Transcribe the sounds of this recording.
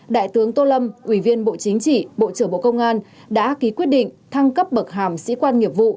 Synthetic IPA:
ɗa̰ː˧˨jt̪ɨ˨˦əŋt̪o˧lə˧mʔwi˧˩vi˧ənɓo̰˧˨t͡ɕï˨˦ŋ̟t͡ɕḭ˧˨ɓo̰˧˨t͡ɕɨ˧˩əŋɓo̰˧˨kə˧wŋ͡mʔaː˧n | ɗa̰ː˧˥ki˨˦kwi˦˥ət̚ɗḭ̈˧˨ŋ̟t̪ʰa˧ŋkə˦˥p̚ɓə˨˩k̚ɦaː˨˩msḭ˧˥kwaː˧nŋi˨˩əp̚vṵ˧˨

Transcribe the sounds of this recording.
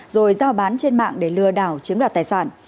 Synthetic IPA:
zo˨˩jzaː˧wɓaː˨˦nt͡ɕe˧nma̰ː˧˨ŋɗe˧˩lɨ˧əɗaː˧˩wt͡ɕi˨˦əmɗaː˧˩t̪aː˧˩jsaː˧˩n

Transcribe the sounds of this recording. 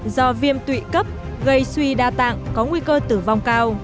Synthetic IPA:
zɔ˧vi˧əmt̪wḭ˧˨kə˦˥p̚ɣə˧jswi˧ɗaː˧t̪a̰ː˧˨ŋkɔ˨˦ŋwi˧kəː˧t̪ɨ˧˩va˨˩wŋ͡mkaː˧w

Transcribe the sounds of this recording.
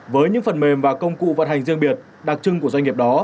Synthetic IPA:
vəː˨˦jɲɨ̰˧˥ŋfə˨˩nme˨˩mvaː˨˩kə˧wŋ͡mkṵ˧˨və˨˩t̚ha˨˩jŋ̟zi˧əŋɓi˨˩ət̚ | ɗa˨˩k̚t͡ɕɨ˧ŋku˧˩əza˧ŋi˨˩əp̚ɗɔ˨˦

